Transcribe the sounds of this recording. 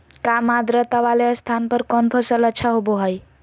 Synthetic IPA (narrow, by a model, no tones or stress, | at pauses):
kamad̪ɾət̪aʋaleəst̪ʰanpəɾkɔnpʰəsələt͡ʃʰaɦoboɦəj